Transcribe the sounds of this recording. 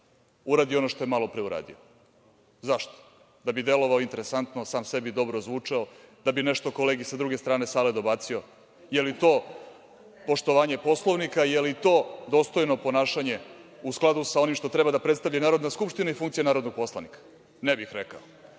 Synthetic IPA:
uɾaːd̪io̞noʃt̪oemalo̞pɾeuɾa̰ːd̪ḭo | zaʃt̪o̥ | d̪abid̪e̞lo̞ʋaoint̪eɾe̞sant̪no̞saːmse̞bid̪o̞bɾozʋut͡ʂeod̪̥abineʃt̪o̞ko̞leːɡisad̪ɾuɡest̪ɾaːne̞saːled̪o̞bat̪sio̞ | jelit̪o̞ː | po̞ʂt̪o̞ʋaːɲe̞po̞slˠoʋnikaijelit̪oːd̪o̞ːst̪o̞jno̞po̞naːʃaɲe̞usklˠad̪usaonimʃt̪o̞t̪ɾebad̪apɾet̪st̪aʋʎanaːɾo̞d̪naskupʂt̪inaifuŋkt̪sianaːɾo̞d̪noɡ̚po̞slˠaʋnikḁ | nebixɾeka̰o

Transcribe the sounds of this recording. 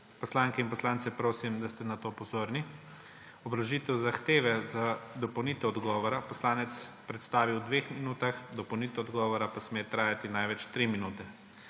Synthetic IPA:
pɔslaŋkɛinpɔslaːnt̪sɛpɾoːsimd̪ast̪ɛnat̪opɔzoːɾni | ɔbɾaʒit̪ɛwzaxt̪eːʋɛzad̪ɔpɔwnit̪ɛɔd̪ɡɔːʋɔɾapɔslaːnɛt̪spɾɛt̪st̪aːʋiwd̪ʋeːxminuːt̪axd̪ɔpɔwniːt̪ɛɔd̪ɡɔːʋɔɾapasmeːt̪ɾaːjat̪inajʋɛt͡ʃt̪ɾiminuːt̪ɛ

